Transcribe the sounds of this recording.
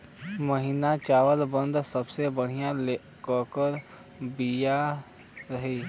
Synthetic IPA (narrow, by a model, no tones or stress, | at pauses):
məɦiːnat͡ʃaːʋəlbə̃nd̪sɐbsebɐɽ̤ijãle | kɔːkəɾ | bija | ɾɐɦiː